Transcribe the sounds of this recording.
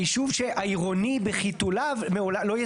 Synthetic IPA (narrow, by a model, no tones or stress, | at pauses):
iʃuvʃeʔaiʁo̞nibeχitulavmeolalo̞je